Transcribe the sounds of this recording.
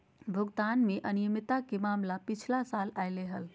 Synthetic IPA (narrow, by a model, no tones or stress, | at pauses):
bʱəɡd̪anmeʔənijəmit̪akemamlapit͡ʃʰlasalajleɦəl